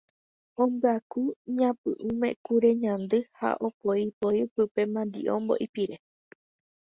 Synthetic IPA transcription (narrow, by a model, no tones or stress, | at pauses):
õmbɨakuɲãpɨ̰ʔɨ̃mḛ̃kuɾeɲãnd̪ɨha̰ʔopoipoipɨpe̞mãnd̪ḭʔõ̰mbo̰ʔipiɾe